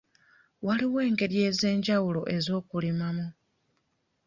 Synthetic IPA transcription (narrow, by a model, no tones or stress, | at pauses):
waliwe̞ːŋɡe̞ɾje̞ːze̞ːɲɟawulo̞ʔe̞zo̞ːkulimamu